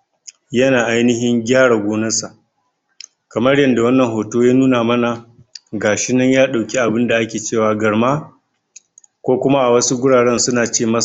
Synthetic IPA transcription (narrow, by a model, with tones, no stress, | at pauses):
jɐ˦naː˨ʔa˦jnɪ˦ɦɪ˦ŋɡʲaː˦ɽa˨ɡʷoː˦nɐ˦sa˨ʔ | kɐ˨mɐ˦rjɐ˦nda˨wɐ˦nːɐ˨ŋɦoː˨toː˦jaː˦nuː˦naː˨mɐ˦na˨ | ɡaː˨ʃɪ˦nɐ˦ɲjaː˦ɗa˨wkʲi˦ʔa˨bɪ˦nda˨ʔa˦kʲeː˨t͡ʃeː˦˨waː˨ɡɐ˨ɽma˦ | kʷoː˦kʷʊ˦ma˦ʔa˨wɐ˦su˦ɡʷʊ˦ɽaː˨ɽɛ˦nsʊ˦naː˨t͡ʃeː˦mɐ˦˨